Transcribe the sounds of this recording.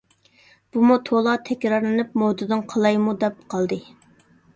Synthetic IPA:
b̥umut̪ʰolˠɑt̪ʰɛkʲɾɑɾlˠɨnɨp̚mod̪ɨd̪ɨnqʰɑlˠɑjmud̪ɛp̚qʰɑlˠd̪ɨ

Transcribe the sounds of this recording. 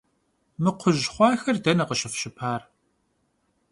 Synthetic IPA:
mɨqʷʰʊʑχʷɑːxɐrdɐnɐqəʃɪfʃɪpʰaːr

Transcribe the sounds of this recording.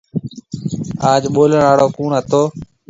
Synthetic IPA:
aːd͡ʒɓoːləɽaːɽoːkuːɳɦət̪oː

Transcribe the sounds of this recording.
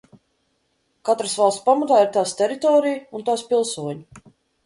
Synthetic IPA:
kat̪ɾəsvalˠssʲpamat̪aːiɾt̪aːst̪ɛɾit̪ɔːɾijunt̪aːspilˠsuɔɲu

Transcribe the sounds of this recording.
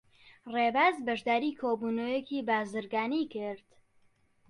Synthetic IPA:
reːbaːzbɐʒd̪aːɾiːkʰoːbuːnojekiːbaːzɨɾɡaːniːkɪɾd̪̥

